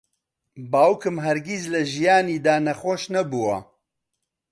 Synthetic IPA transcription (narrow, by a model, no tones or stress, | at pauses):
baːwukɨmɦɛɾɡizlɐʒijaːniːd̪aːnɐxoʃnɐbuwɐ̰